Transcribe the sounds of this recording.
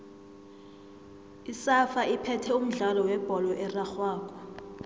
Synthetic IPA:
isafaipʰɛtʰɛum̩ɮalɔwɛb̥ʱɔlɔʔɛraxwaːk̬ʼɔ

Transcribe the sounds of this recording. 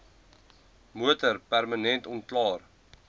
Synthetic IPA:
muətərpærmənɛntɔntklɑːr

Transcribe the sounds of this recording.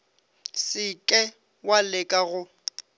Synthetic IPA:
sɪkʼɛ | walɪkʼaɣʊ

